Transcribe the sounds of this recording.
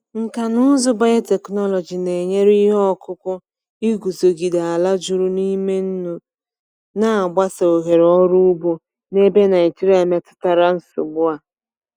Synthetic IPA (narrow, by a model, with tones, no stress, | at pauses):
ŋ̩˨ka˨nʊ˦zʊ˦ba˦je˦te˨knɔ˦lɔ˨d͡ʒi˨ne˨ɲe˦ɾi˦ɦɔ˦kʊ˦kʊ˦ | i˦ɡu˨zo˨ɡi˨da˨a˨la˦d͡ʒʊ˦ɾu˦ni˦me˦n̩˦nu˨ | na˨a˨ɡ͡ba˦sa˨o˨ɦe˨ɾɔ˦ɾu˦ʊ˦bo˦ | ne˦be˦na˨i˨ti˦ɾa˦˨me˦tʊ̥˦ta˨ɾa˦n̩˦sʊ̰˨ɡ͡bʊ˦a˨